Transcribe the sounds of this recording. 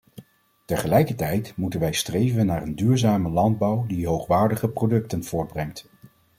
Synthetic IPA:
təɹχəlɛjkəɹtɛjtmutənʋɛjstrejvənːaːrəndyːɹzaːməlɑnd̚bɑwdiɦowχʋaːɹdəχəprowdɵk̚tənv̥ʊːɹd̚brɛŋt

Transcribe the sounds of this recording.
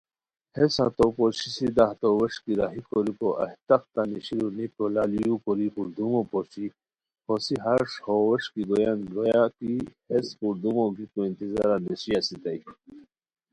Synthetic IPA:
hesa̰t̪opoɕisid̪aht̪owɐʂkiɾaɦikoɾikoʔɐ̰ht̪ɐq̚t̪aniɕiɾunipolaːlijupɔɾipuɾd̪umopoɕi | hosiɦɐɾʂhowɐʂkiɡ̪ojanɡojakihespuɾd̪umoɡikoint̪izaɾanesijasit̪ɐj

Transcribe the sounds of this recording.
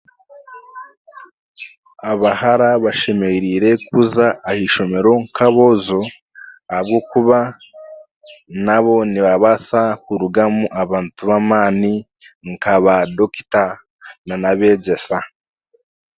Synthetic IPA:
aβahaɾaβaʃe̞meɾiɾe̞kuzaːhiʃo̞me̞ɾo̞ŋkʰaβo̞zo̞ | ahab̚ɡokuβa | naβo̞niβaβasakuɾuɡamuʔaβaːntuβamaːni | ŋkaβadoki̥ta | nanaβe̞ɟesa

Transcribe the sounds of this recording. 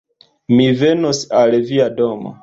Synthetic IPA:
mivenosalviadoma̰

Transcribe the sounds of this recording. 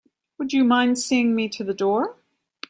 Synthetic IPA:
wəd͡ʒɨmãɪ̃nd̥siɪ̃ŋmiɾɨðɨdɔɹ

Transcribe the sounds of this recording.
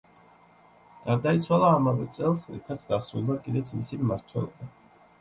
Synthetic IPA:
ɡ̥aɾd̪ait̪sʰwalˠaːmavɛt̪sʼɛlˠsɾḭt̪ʰat̪sʰd̪asɾulˠd̪akʼid̪ɛt̪sʰmisimmaɾt̪ʰwɛ̰lˠɔba

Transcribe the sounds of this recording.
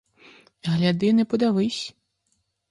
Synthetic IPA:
ɣlʲad̪ɨnɨpud̪avɨsʲ

